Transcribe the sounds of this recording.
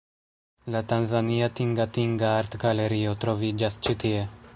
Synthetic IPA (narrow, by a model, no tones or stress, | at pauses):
lat̪anzaniat̪iŋɡat̪iŋɡaaɾt̪ɡalɛɾiot̪ɾɔvid͡ʒast͡ʃit̪iɛ